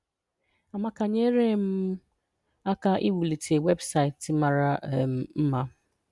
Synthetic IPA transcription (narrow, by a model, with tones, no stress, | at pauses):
a˨ma˦ka˨ɲe˦ɾe˦˨m̩˦ | a˦ka˦ʔi˦wu˨li˨tʰe˨we˦bsa˨ɪ˨tma˨ɾa˦˨m̩˦m̩˦ma˦